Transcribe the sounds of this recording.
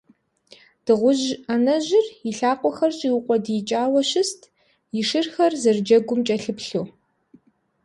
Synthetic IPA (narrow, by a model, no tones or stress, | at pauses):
d̥ɨʁʷʊʒanɐʑɪrjiɬaːqʷʼɔxɐrɕʼiwʊqʷʼɔdjɪt͡ʃʼaːwɔɕɪstʰ | jiʂɨrxɐrzɨrd͡ʒɐɡʷʊmt͡ʃʼɐɬɨpɬuː